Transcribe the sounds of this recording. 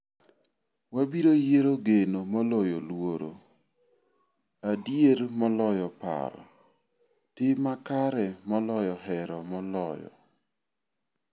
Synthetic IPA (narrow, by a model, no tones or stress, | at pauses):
wabiɾojeɾoɡenomɔlɔjolwoɾo̰ | adjeɾmɔlɔjɔpa̰ɾɔ̰ | tɪmakaɾɛmɔlɔjɔɦɛɾɔmɔlɔjɔ̰